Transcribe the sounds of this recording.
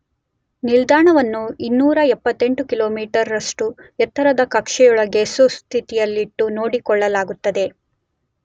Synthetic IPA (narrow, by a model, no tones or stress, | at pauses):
nild̪aːɳɐʋɐnːuinːuːɾɐɛpːɐt̪ːe̞ɳʈukiloːmiːʈɐɾːɐʂʈuɛt̪ʰːɐɾɐd̪ɐkɐkʂɛjɔɭɐɡesust̪ʰit̪ijɐlːiʈːuno̞ːɽikɔɭːɐlaːɡut̪ːɐd̪e̞